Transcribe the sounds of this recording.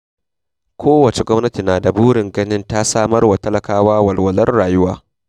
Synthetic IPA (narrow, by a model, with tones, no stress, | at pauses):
kʷʰoː˦wɐ˨t͡ʃe˨ɡʷɔ˦mnɐ˦ti˨naː˨da˨buː˦ɽɪ˨ŋɡɐ˦nɪ˦nta˦saː˦˨mɐ˦rwa˨tɐ˦lɐ˨kaː˦waː˦wɐ˨lwɐ˨lɐ˦rɽaː˨jʊ˦waː˦